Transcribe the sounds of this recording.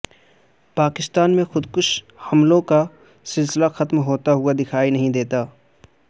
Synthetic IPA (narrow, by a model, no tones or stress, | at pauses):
paːkɪst̪aːnmẽxʊd̪kʊʃ | hɐmlõka | sɪlsɪlaxɐt̪mɦoːt̪aɦʊad̪ɪkʰaːinɐɦĩd̪eːt̪aː